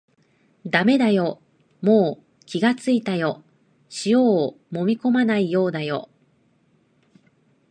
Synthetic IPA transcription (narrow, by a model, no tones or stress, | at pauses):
d̪ame̞d̪ajo̞ | mo̞ː | kʲiɡat͡sɨit̪ajo̞ | ɕijo̞ː | mo̞mʲiko̞manaijo̞ːd̪ajo̞̰